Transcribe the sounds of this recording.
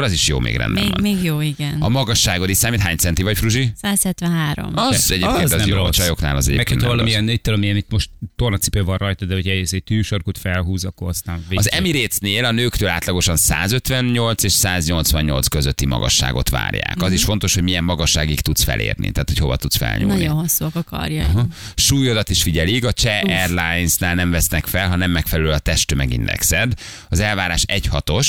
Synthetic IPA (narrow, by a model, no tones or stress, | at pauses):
ɾɒziʃjo̰ːmʔḛːɡrɛ̰nd̪ɛmeːɡjoːiɡɛnɒmɒɡɒʃːaːɡod̪isaːmit̪ɦaːɲsɛnt̪ivɒcfruʒisaːshɛt̪ʋɛ̃nɦaːɾo̰mɒɛɟeːpkeːnnɛjrot͡ʃɒjokna̰ːlɒzɛ̰ɟḛːmɛkhohɒvɒlɒmiɛnit̪ːolɒmiɛnit̪ːmo̞ʃt̪t̪o̞rnɒt̪si̥pøvɒnrɒjt̪ɒd̪ɛocʰɛesɛɟ̚t̪yːʃorkut̪fɛlɦuːzɒkːoɾɒst̪aːnveɒzɛmiɾeːsneːlɒnøːkt̪øːla̰ːt̪lɒɡo̞ʃɒnsa̰ːzøt̪ʋɛnɲo̞lt̪seːʃsaːzɲo̞lt̪svɒɲɲo̞̰lt̪skøzøt̪ːimɒ̰ɡɒ̰ʃːa̰ːɡo̞̰t̪va̰ːrja̰ːkɒziʃfo̞nt̪o̞ʃhoɟmijɛmːɒɡɒʃːaːɡikt̪ut̪sfɛ̰lʔḛːrnḭt̪aːt̪ho̞cho̞vɒ̰t̪ut̪sfɛ̰lɲo̰nmɒiohosːuɒkɒkɒ̰rjaɦʃuːjod̪ɒt̪iʃfiɟɛlikɒt͡ʃɛɛrlajnsnaːlnɛɱvɛsnɛkfɛlɦɒnɛmːɛkfɛlɛløɒt̪ɛʃt̪ømɛɡḭnd̪ɛ̰ksɛd̪ | ɒzɛlvaːɾaːʃɛɟhɒt̪o̞ʃ